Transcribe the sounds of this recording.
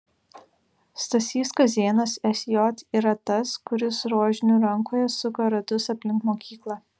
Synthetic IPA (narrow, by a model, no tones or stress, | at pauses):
st̪ɐsʲiːskɐszʲeːnɐsɛsʲjɔt̪iːɾɐt̪ɐskʊɾʲɪsɾoːʒʲɪnʲuːɾɐŋkoːjɛsʊkɐɾɐd̪ʊsɐpʲlʲɪŋkmoːkʲiːklˠɑ